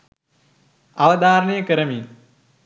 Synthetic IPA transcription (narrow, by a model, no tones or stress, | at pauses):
ɐʋɐd̪aːɾɐɳejɐkɐɾɐmiːn